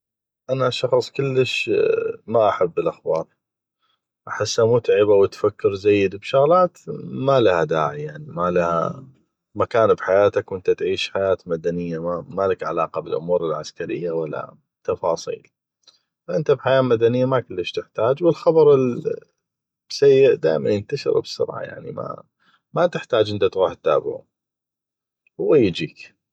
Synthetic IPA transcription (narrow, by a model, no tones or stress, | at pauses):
ʔanaʃɑxsˤkʊlːəʃ | maʔaħabːɪlʔaxbɑːɾˤ | ʔaħasːamʊt̪ʕɪbawɪt̪fakːɪɾzajːɪd̪bʃʊɣlaːt̪malahad̪a̰ːʕijaʕnimalaha̰ | makaːnbħajaːt̪akwɪnt̪at̪ʕiːʃħajaːt̪mad̪anɪjːamamalakʕalaːqɑbɪlʔʊmuːɾɪlʕaskaɾɪ̰jːawalːa̰ | t̪ːɑfɑːsˤḭːl | faʔɪnt̪abħajaːmad̪anɪjːamakʊlːaʃt̪ɪħt̪aːd͡ʒwɪlxɑbɑɾˤɪl | b̥sajːɪʔd̪aːjmanjənt̪aʃɪ̰ɾbɪsʊ̰ɾʕa̰ja̰ʕnḭma̰ | mat̪ɪħt̪aːd͡ʒʔɪnt̪at̪ɣuːħt̪ːa̰ːbʕa̰ | hʊwːajɪd͡ʒiːk